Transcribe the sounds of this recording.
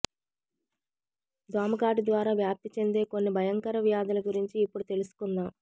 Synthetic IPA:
d̪aːmɐkaːʈid̪ʋaːɾaːʋjaːp̚t̪ːit͡ʃe̞nd̪e̞ːko̞nːibʱɐjɐŋkɐɾɐʋjaːd̪ɐlɐɡuɾiɲt͡ʃiːpːuɽut̪e̞lusu̥kund̪aː

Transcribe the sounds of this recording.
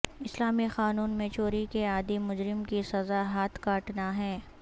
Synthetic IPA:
ɪslaːmixaːnuːnmẽt͡ʃoːɾikeaːd̪imʊd͡ʒɾɪmkisɐzaɦaːt̪ʰkaːʈnaɦɛː

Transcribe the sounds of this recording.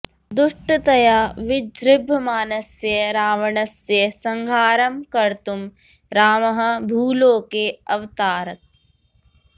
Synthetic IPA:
d̪uʂʈɐt̪ɐjaːʋɪd͡ʒɾɪbʱɐmaːnɐsjɐɾaːʋɐɳɐsjɐsɐŋɡʱaːɾɐmkɐɾt̪um | ɾaːmɐɦɐ̆bʱuːloːkeɐʋt̪aːɾɐk̚

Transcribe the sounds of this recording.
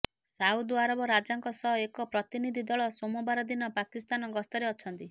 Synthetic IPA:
saud̪aɾɔbɔɾad͡ʒaŋkɔsɔɦekɔpɾɔt̪inid̪ʱid̪ɔɭɔsomɔbaɾɔd̪inɔpakist̪anɔɡɔst̪ɔɾeɔt͡ʃʰɔnt̪i

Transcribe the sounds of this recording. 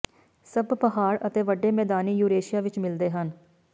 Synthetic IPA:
səbpəɦaːɾət̪eːʋəɖːeːmɛːd̪aːniːjuːɾeːʃɪjaːʋɪt͡ʃmɪld̪eːɦən

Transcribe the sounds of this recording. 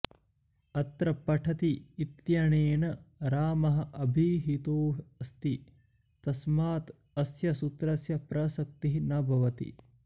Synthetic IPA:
ɐt̪ɾɐpɐʈʰɐt̪iːt̪jɐɳeːɳɐɾaːmɐɦɐ̆ʔɐbʱiɦit̪oːɐst̪i | t̪ɐsmaːt̪ | ɐsjɐsut̪ɾɐsjɐpɾɐsɐk̚t̪iɦinɐbʱɐʋɐt̪ḭ

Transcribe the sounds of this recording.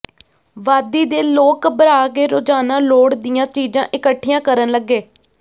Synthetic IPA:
ʋaːd̪iːd̪eːloːkbəɾaːɡeːɾoːd͡ʒaːnaːloːɽd̪ɪjãːt͡ʃiːd͡ʒãːʔɪkəʈʰːijãːkəɾənləɡːeː

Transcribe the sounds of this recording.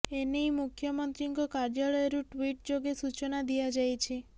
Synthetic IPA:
enejmukʰjɔmɔnt̪ɾiŋkɔkaɾd͡ʒaɭɔeɾuʈwiʈ̚d͡ʒoɡesut͡ʃɔnad̪iad͡ʒajt͡ʃʰi

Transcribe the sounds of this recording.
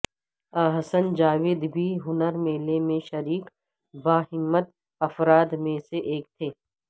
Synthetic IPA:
əɦəsənd͡ʒaːʋɪːd̪bʱiːɦʊnəɾmeːlemẽʃɐɾiːk | baːɦɪmːət̪̚ | ɐfɾaːd̪mẽseʔeːk̚t̪ʰeː

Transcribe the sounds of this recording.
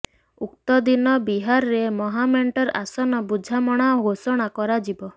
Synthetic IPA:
ukt̪ɔd̪inɔbiɦaɾɔɾemɔɦameɳʈɔɾa̰sɔnɔbud͡ʒʱamɔɽ̃aɡosɔɽ̃akɔɾad͡ʒibɔ

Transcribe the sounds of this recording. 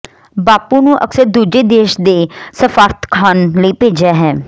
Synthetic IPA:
baːpũːnũːʔə̰ksəɾd̪uːd͡ʒeːd̪eːʃd̪eːsəfaːɾt̪kʰaːnləiːpeːd͡ʒaːɦɛː

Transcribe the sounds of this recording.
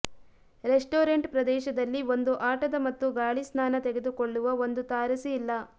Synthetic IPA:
ɾesʈoːɾeɳʈpɾɐd̪ɛːʃɐd̪ɐlːio̞nd̪uʔaːʈɐd̪ɐmɐt̪ːuɡaːɭisnaːnɐt̪ɛɡed̪ukoɭːuʋɐo̞nd̪ut̪aːɾɐsiːlːɐ

